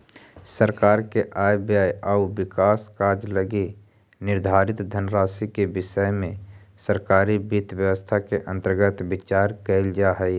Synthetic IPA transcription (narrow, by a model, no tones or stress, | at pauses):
səɾkaːɾkeʔaːjbjaːjaːuʋɪkaːskaːɾd͡ʒləɡe | nɪɾd̪ʱaːɾɪt̪d̪ʱənɾaːsikebɪʃəjmẽ | səɾkaːɾibɪt̪wjəwəst̪ʰakeʔə̃nt̪əɾɡət̪bɪt͡ʃaːɾkəɪld͡ʒaɦɛi